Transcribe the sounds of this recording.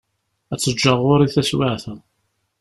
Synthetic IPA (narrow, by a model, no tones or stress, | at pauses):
æt͡sːəd͡ʒːəʁʊɾˤiθæswaʕθə